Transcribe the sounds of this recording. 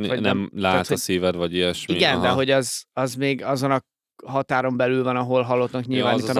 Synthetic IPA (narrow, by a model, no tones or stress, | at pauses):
ɒnɛ̰mlaːt̪oɒsiːvɛd̪vɒɟiɛʃmiɡɛnd̪ɛɦo̞ɟɒzɒzmeːɡɒzo̞nɒ | ɦɒt̪aːɾo̞mbɛlylvɒnɒɦo̞lɦɒlːo̞t̪nɒkɲilvaːnit̪ːn